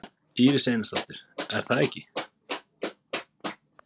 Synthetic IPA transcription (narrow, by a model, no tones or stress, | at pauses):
iːɾɪsejnast̪at̪ʏɾ̥ɛɾ̥θaðɛhcːɪ